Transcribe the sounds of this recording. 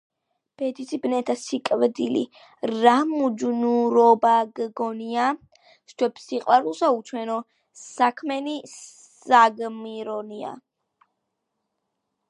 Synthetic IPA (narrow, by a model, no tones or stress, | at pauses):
b̥ɛd̪isʰibnɛt̪ʰasikʼvd̪ilḭ | ɾamud͡ʒnuɾɔbaɡɡɔnia | st͡ʃʰwɛbsiqʼwaɾulˠsaut͡ʃʰwɛnɔ | sakʰmɛni | aɡmiɾɔnia̰